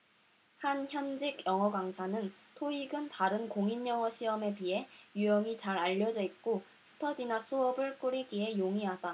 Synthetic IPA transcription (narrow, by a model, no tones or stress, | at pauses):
hançjʌnd͡ʑiɡjʌŋɦʌɡwaŋsʰanɯn | tʰoiɡɯntaɾɯnkoŋinjʌŋʌɕʰiʌme̞piɦe̞jujʌŋit͡ɕaɾaʎːʌd͡ʑʌik̚k͈o | sʰɯ̥tʰʌdinasʰuʌbɯɭk͈uɾiɡiɦe̞joŋiɦada